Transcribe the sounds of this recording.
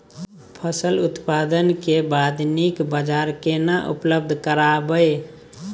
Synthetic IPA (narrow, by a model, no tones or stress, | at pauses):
pʰəsəlut̪pad̪ənkebad̪nikbəd͡ʒaɾkenaʔṵpləb̚d̪ʱkəɾabə